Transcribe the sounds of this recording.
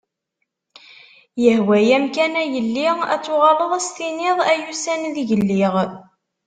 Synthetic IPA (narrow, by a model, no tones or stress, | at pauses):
jəhwæjæmkænæjəlːiʁæ̰t͡sːʊʁɑləðˤæst̪inɪðˤæjusænðʝəlːiʁ